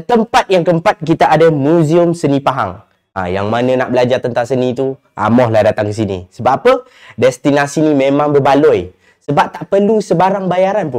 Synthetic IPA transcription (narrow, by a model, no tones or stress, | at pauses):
t̪əmpat̪̚jaŋkəmpat̪̚kit̪aʔadamuziʊmsənipaɦa̰ŋ | a̰ja̰ŋmanənaʔbəlad͡ʒart̪ənt̪aŋsənit̪u | ʔa̰mɔhlahdat̪aŋkəs̬inḭsəbaʔpə | dɛst̪inasinimẽmãŋbəbalɔj | səbap̚t̪aʔpərlusəbaɾaŋbajaɾanpʊ